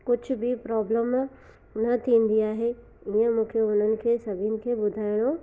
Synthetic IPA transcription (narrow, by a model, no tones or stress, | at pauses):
kʊd͡ʑʱʊbɪpɾɔːbləm | nɐt̪ʰĩːn̆d̪iaːɦe | iə̃mũːkʰeʊn̤ənɪ̆kʰeːsɐbʱiənɪ̆kʰeːbʊd̪ʱaːɪɽ̃o